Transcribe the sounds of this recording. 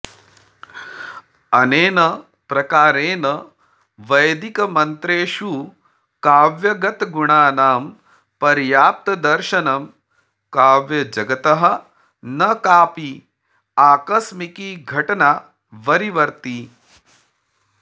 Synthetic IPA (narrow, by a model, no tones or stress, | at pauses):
ɐneːnɐ | pɾɐkaːɾeːnɐ | ʋɐjd̪ikɐmɐnt̪ɾeːʃu | kaːʋjɐɡɐt̪ɡuɳaːnaːm | pɐɾjaːp̚t̪ɐd̪ɐɾʃɐnɐm | kaːʋjɐd͡ʒɐɡɐt̪ɐɦɐ̆ | nɐkaːpi | aːkɐsmikiːɡʱɐʈɐnaː | ʋɐɾiʋɐɾt̪i